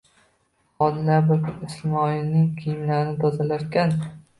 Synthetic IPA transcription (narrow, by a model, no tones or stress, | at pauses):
ɒd̪laɾbɪɾkʰʊɪsmɒɪnɪŋkʲʰijɪmlaɾnɪt̪ʰɒzalaɾkʲan